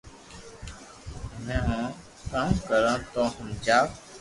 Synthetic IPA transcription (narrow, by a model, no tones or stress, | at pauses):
mɛ̃ːɦõː | kãːmkəɾãːt̪oːɦəmd͡ʒaː